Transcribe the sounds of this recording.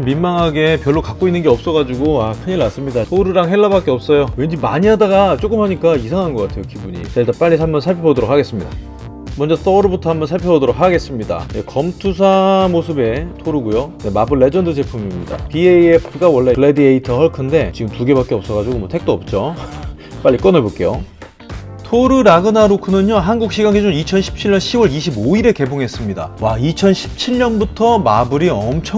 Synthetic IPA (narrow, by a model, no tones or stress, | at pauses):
mmimmaŋɦaɡe̞pjʌɭːokak͈oinːɯnɡeʌp̚s͈ʌɣad͡ʑuɡoakʰɯɲiɭas͈ɯmɲidasʰoɾɯɾaŋɦeɭːabak͈eʌp̚s͈ʌjowe̞nd͡ʑimaɲiɦadaɡat͡ɕ͈ok͈ɯmhaɲik͈aisʰaŋɦanɡʌk͈atʰe̞jokibuɲḭt͡ɕaɭtap͈aʎːisʰamːʌnsʰaɭpʰjʌbodoɾok̚haɡe̞s͈ɯmɲida̰ | mʌnd͡ʑʌs͈ʌɾɯbotʰʌɦamʌnsʰaɭpʰjʌbodoɾok̚haɡe̞s͈ɯmɲida̰jḛkʌmtʰus̬ʰamosʰɯbe̞tʰoɾuɡujone̞mabɯɭːe̞d͡ʑʌndɯd͡ʑe̞pʰumimɲida̰pieepʰɯɡawʌɭːe̞ɯɭedieitʰʌhʌɭkʰɯnde̞t͡ɕiɡɯmtuɡe̞bak͈eʌp̚s͈ʌɡad͡ʑuɡomwʌtʰe̞k̚t͈oʌp̚t͡ɕ͈o | p͈aʎːik͈ʌneɭbok͈e̞jo | tʰoɾɯɾaɡɯnaɾokʰɯnɯɲoɦanɡuk̚ɕ͈ʰiɡaŋɡed͡ʑoit͡ɕʰʌnɕʰi̥p̚t͡ɕʰiɭɲʌnɕʰiwʌɾiɕʰiboiɾe̞ke̞boŋɦe̞s͈ɯmɲida̰wait͡ɕʰʌnɕʰi̥p̚t͡ɕʰiɭɲʌnbutʰʌmabɯɾiʌmt͡ɕʰʌ